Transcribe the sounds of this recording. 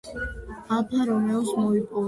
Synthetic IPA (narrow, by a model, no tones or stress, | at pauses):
apʰaɾɔmɛɔsmɔipʼɔ